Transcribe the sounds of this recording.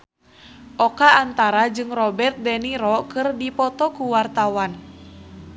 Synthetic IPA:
ʔɔkaːnt̪aɾad͡ʒɨŋrɔbɛrt̪̚dɛniɾɔkɨrdipɔt̪ɔkuwart̪awan

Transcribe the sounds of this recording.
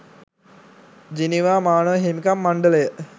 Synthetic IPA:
d͡ʒiniʋaːmaːnəʋəɦemikamːaɳɖələjə

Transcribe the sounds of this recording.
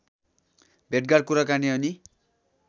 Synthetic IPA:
bʱeʈ̚ɡaɽ̚kuɾakaniʌni

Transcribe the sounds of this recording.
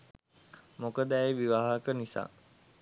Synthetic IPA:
mokəd̪əæjʋiʋaːɦəkənisa̰ː

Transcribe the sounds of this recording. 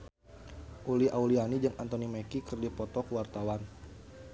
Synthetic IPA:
ʔuliʔaulianid͡ʒɨŋant̪onimekikərdipɔt̪ɔkəwart̪awan

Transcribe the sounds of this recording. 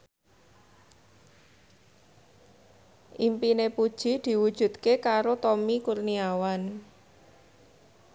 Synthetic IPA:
ʔimpinepud̥ʒ̥i̤d̪̥i̤wud̥ʒ̥ṳt̪kekaɾot̪ɔmikurniawan

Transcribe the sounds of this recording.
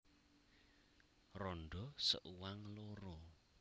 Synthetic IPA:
rɔnɖɔsə̰ʔuwaŋloɾɔ

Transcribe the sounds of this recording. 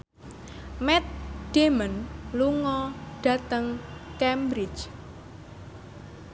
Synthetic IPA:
mɛt̪̚d̥emənluŋɔɖ̥a̤t̪əŋkɛmbɾɪt͡ʃ

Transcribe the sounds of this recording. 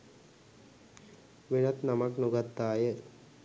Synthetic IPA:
ʋenat̪namaknuɡat̪ːaːjə

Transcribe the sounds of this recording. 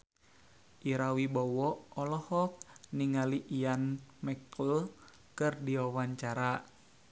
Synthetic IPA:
ʔiɾawibɔwɔʔɔlɔhɔk̚niŋaliʔːjanmɛkl | kɨrdiwawaɲt͡ʃaɾa

